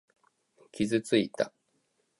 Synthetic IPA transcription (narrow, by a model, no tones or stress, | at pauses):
kʲizɨt͡sɨit̪a